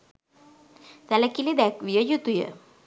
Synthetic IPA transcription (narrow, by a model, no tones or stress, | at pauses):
t̪alakilid̪ɛkʋijəjut̪ujə̰